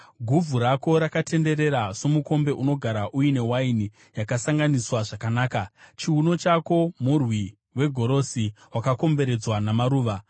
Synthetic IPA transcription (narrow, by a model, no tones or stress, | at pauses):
ɡʱuvʱuɾako̞ɾakatʰe̞nde̞ɾe̞ɾaso̞muko̞mbe̞ʔuno̞ɡʱaɾaʔujine̞waini | jakasaŋɡaniswaʐakanaːkat͡ʃiuno̞t͡ʃako̞murwi | we̞ɡʱo̞ɾo̞si | wakako̞mbe̞ɾe̞d͡zwanamaɾuːʋa